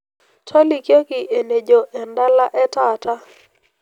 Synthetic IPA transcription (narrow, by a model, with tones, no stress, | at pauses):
tʰɔ˦li˨kjo˦kɪ˨ʔe˨ne˨d͡ʒo˨ʔɛ˨nda˦la˦ʔɛ˦ta˨ta˦